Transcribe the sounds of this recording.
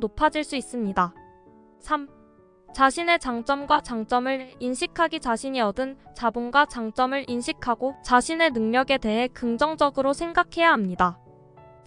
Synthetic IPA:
nopʰad͡ʑiɭs͈uis͈ɯmɲida | sʰam | t͡ɕaɕʰine̞t͡ɕaŋt͡ɕ͈ʌmɡwat͡ɕaŋt͡ɕ͈ʌmɯɾinɕʰikʰaɡit͡ɕaɕʰiɲiʌdɯnt͡ɕabunɡwat͡ɕaŋt͡ɕ͈ʌmɯɾʔinɕʰikʰaɡot͡ɕaɕʰine̞nɯŋɲʌɡe̞te̞ɦe̞kɯŋd͡ʑʌŋd͡ʑʌɡɯɾosʰe̞ŋɡakʰe̞jaɦamɲida

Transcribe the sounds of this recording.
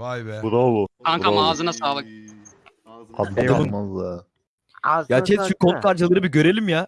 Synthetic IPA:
bud̪alˠuaŋkʰamaːzɯnasaːlˠɯk̚ | hat̪ad̪ɯmmazlˠa | jat͡ʃʰɛt͡ʃykʰo̞nk̪ʰaɾt͡ʃʰalˠɯɾɯbiɟø̞ɾe̞lʲimja

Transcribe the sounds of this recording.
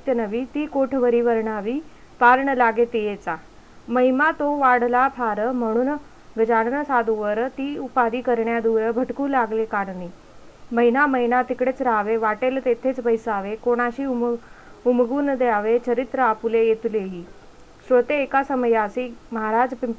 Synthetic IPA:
t̪jənəʋiːt̪iːkoʈʰʋəɾiːʋəɾɳaʋiː | paɾɳəlaɡet̪ijet͡sa | məɦimat̪oʋaɽ̤lapʰaɾəm̤əɽ̃uːn | ɡəd͡ʑaɽnəsad̪ʱuʋəɾt̪iːupad̪iːkəɾɳjad̪uːɾbʱəʈkuːlaɡlekaɽniː | məɦinaməɦinat̪ikɽet͡sɾaʋeʋaʈelt̪et̪ʰet͡sbəjsaʋekoɽ̃aɕiːum | umɡuːnd̪jaʋet͡ɕəɾit̪ɾəapulejet̪uleɦiː | sʋət̪eːkasəməjasiːməɦaɾad͡zpi

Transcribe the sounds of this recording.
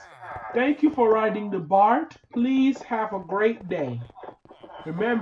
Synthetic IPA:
θæ̃ŋkʰjufəɹaɪɾɪ̃ŋðəbɑɹtpʰliz̥hɨvəɡɹeɪt̚d̥eɪ | ɹɨmɛ̃m

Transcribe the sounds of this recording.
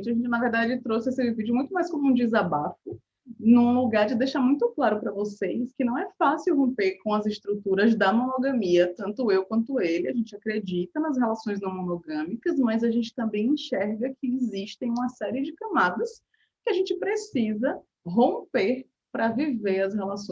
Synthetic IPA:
t͡ʃɪɐʒẽnt͡ʃɪnɐveɾd̪ad͡ʒɪt̪ɾosɪesɪvid͡ʒʊmũj̃t̪ʊmajskõmuũd͡ʒɪzabafʊ | nũluɡaɾd͡ʒɪd̪ejʃaɾmũj̃t̪ʊklaɾʊpɾɐvosejskɪnɐ̃w̃ɛfasɪwɦõmpeɾkõw̃ɐzɪst̪ɾut̪uɾɐzd̪ɐmonoɡɐ̃miɐt̪ɐ̃nt̪ʊewkwɐ̃nt̪ʊelɪaʒẽnt͡ʃɪakɾed͡ʒit̪ɐnɐs̬helasõj̃znɐ̃w̃monoɡɐ̃mikɐzmɐjzɐʒẽnt͡ʃɪ̥t̪ɐ̃mbẽj̃ẽʃɛɾɡɐkʰɪːziʃt̪ẽj̃ũmɐsɛɾiɪd͡ʒɪkɐ̃mad̪ɐs | kɪaʒẽnt͡ʃɪpɾesizɐ | ɦõmpeɾ | pɾɐviveɾɐshelasõ

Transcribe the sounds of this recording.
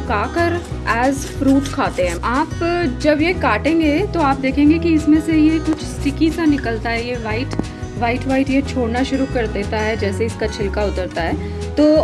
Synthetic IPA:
kaːkəɾɛːz | fɾuːʈkʰaːt̪eɦɛ̃ːaːpd͡ʒɐbjekaːʈẽːŋɡet̪oaːp̚d̪eːkʰẽːŋɡekiɪsmẽsejekʊt͡ʃʰsʈɪkisanɪkəlt̪aɦɛjeʋaːɪʈ | ʋaːɪiʈʋaːiʈjet͡ʃʰoːɽnaʃʊɾukɐɾd̪eːt̪aɦɛd͡ʒɛːseɪskat͡ʃʰɪlkaʊt̪əɾt̪aɦɛː | t̪oː

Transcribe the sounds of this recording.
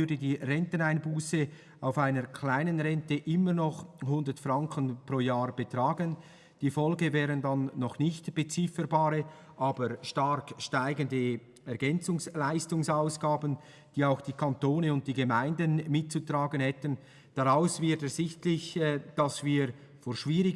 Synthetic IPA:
ʏdədiːrɛntənaɪnbuːsə | aʊfaɪnəkʰl̥aɪnənʁɛntəʔɪməɾnɔχhʊndətfraŋkʰənproːjaːb̥ətraːɡən | d̥iːfɔlɡəvɛːɾəndanːɔχnɪçtb̥et͡sɪfəɾbaːɾə | ʔaːbəʃtaɾkʃtaɪɡəndə | ɛɐɡɛnt͡sʊŋslaɪstʊŋsaʊsɡ̥aːbən | d̥iːaʊxd̥iːkʰantoːnəʊnt̚d̥iːɡemaɪndənmɪt̚t͡sutraːɡənhɛtən | d̥aʁaʊsvɪɐtɛz̥ɪçtlɪçd̥ɑsviːɾ | foːʃv̥iːʁɪ

